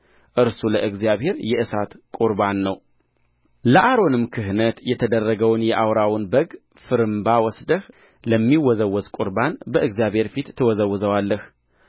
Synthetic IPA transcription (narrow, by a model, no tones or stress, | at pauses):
ʔɨɾsuləʔɨɡzijaβhe̞ɾjɛʔɨsat̪kʼuɾbanːəw | ləʔaɾo̞nɨmkʰɨɦnət̪jɛt̪ʰəd̪ərːəɡəwnjɛʔawɾawʊnbəɡ | fɨɾɨmbawɔsd̪əh | ləmːiwɔzəwːɔzkʼuɾbanbəʔɨɡzjaβhe̞ɾfit̪ʰːɨwɔzəwːzəwalːəh